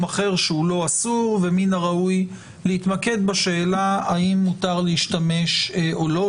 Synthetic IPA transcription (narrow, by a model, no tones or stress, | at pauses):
maχe̞ʁʃeulo̞asuʁveminaʁauj | leit̪make̞d̪baʃe̞ːlaaimːut̪aʁleiʃt̪ame̞ʃolo